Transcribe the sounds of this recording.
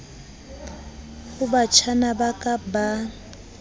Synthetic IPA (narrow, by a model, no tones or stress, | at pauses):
ɣʊbat͡ʃʰanabakʼaba